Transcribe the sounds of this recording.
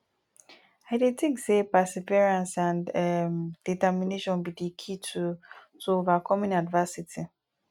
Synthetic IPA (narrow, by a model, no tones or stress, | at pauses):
aɪdetĩŋksepasiviɹãnsãnmd̥itɛmineʃɔ̃nbidikʰitutuovakʰɔmɔ̃nadvasitʰi